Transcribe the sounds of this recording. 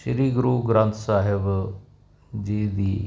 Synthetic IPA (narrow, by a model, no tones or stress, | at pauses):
ʃɾiːɡɾuːɡɾãnt̪ʰsaːɦɪb | d͡ʒid̪iː